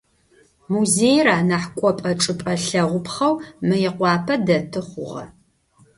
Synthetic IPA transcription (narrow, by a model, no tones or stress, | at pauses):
muzeːjraːnaħkʷʼɔpʼɐʈ͡ʂʼɨpʼɐɬɐʁʷʊpʰχɐwmɨjɛqʷɑːpʰɐdɐtʰɨχʷʊ̰ʁɐ̰